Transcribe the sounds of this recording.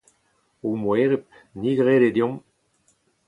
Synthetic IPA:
omwɛːʁep̚ | niɡʁeːded̪jɔ̃m

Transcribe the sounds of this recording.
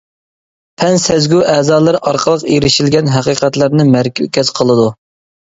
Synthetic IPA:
pʰɛnsɛzɡʲuʔɛːzɑːlˠəɾɑɾqʰəlˠəqeɾɪʃilɡʲɛnɦæqiqɛt̪lɪɾnɨmæɾkʲkʲɛz̥qʰəlˠɨd̪u

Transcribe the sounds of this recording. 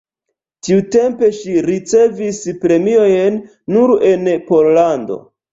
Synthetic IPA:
tiute̞mpe̞ʃiɾit͡se̞vispɾe̞mio̞jnː | uɾe̞npo̞llando̞̰

